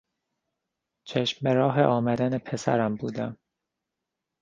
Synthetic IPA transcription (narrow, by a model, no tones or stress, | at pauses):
t͡ʃʰeʃmbeɾɒːɦḛʔɒːmæd̪ænepʰesæ̰ɾæmbuːd̪æm